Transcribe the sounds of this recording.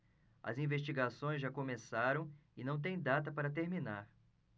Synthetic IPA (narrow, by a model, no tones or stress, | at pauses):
ɐ̰zĩveʃt͡ʃiɡasõj̃zʒakõmesaɾɐ̃w̃ɪnɐ̃w̃t̪̬ẽj̃d̪at̪ɐpaɾɐt̪eɾminaɾ